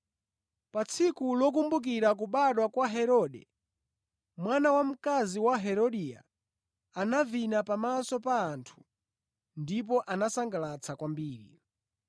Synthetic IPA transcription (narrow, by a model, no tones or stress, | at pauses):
pat͡sʰikulɔk̬umbuk̬iɾak̬uɓaɗwakwaɦɛɾɔɗɛ | mwanawam̩kaziwaɦɛɾɔɗia̰ | anavinapamasɔpaːntʰu̥ | ndip̬ɔʔanasaŋɡalat͡sʰakwambiːɾḭ